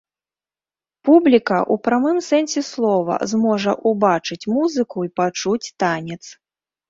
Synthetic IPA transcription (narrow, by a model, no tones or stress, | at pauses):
publʲikɐʔupɾamɨmsɛnsʲɛslˠɔvɐ̰zmɔʐɐʔubat͡ʂɨt͡sʲmuzɨkuipat͡ʂut͡sʲt̪anʲɛt̪s